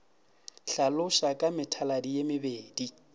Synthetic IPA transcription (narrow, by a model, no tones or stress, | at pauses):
ɬalʊʃakʼamɪtʰaladijemɪbeːdi